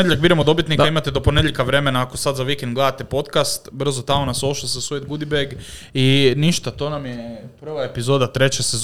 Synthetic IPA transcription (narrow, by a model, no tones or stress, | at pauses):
ejeʎak̚biɾemod̪o̞bit̪nikaimat̪ed̪o̞po̞ned̪jʲeʎʲkaʋɾe̞me̞naːko̞sad̪zaʋikend̪ɡle̞d̪at̪epo̞t̪kast̪br̩zot̪amonasoʃlosesuːjet̪ɡud̪ibeɡ | iniʃt̪at̪o̞ːnamjepr̩ʋaepizo̞ːd̪at̪ɾe̞t͡ɕesez